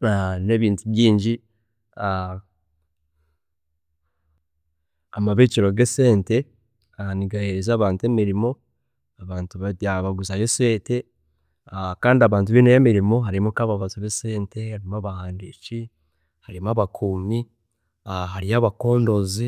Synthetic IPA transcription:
ane̞βiːntuβjiːɲɟi | a | amaβit͡ʃiɾo̞ɡeseːnte̞ | aniɡaheɾezaːβaːntuemiɾimo̞ | aβaːntuβaβaɡuzajose̞ːte̞ | akaːndiaβaːnt̬uβinejemiɾimo̞ɦaɾimukaβaβatoβeseːnte̞haɾimuaβahaːndit͡ʃi | haɾimuaβakʰuːmi | aɦaɾiaβako̞ːndo̞zi

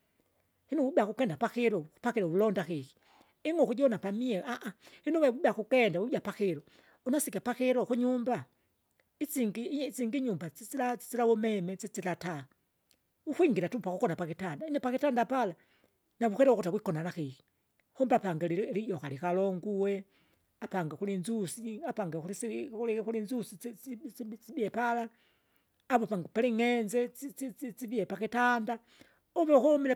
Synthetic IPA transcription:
hinuubakukɛndapaxiɾɔupaxiɾɔulɔndaxixi̥ | iŋɔkud͡ʒɔnapamiɛaʔahinuwɛwuɓiakukɛndawuɟapaxiɾɔ | unasikapaxɛɾɔxuɲumba | it͡siŋɡit͡siŋɡiɲumbat͡sit͡silat͡si̥t͡silawɔmɛmɛt͡sit͡silata | uxwiŋɡiɾatupakukɔnapakitandainɛpakitandapala | naβuxeɾeoxutawikonanaxixi̥ | xumbapaŋɡelilijoxalikaloŋɡuwe | apaŋɡexulinzusiapaŋɡexulisiulixulinzusi | t͡siβjepalaː | βopaŋɡepaliŋenzet͡sit͡sit͡sit͡siβjepakitanda | oβexumile

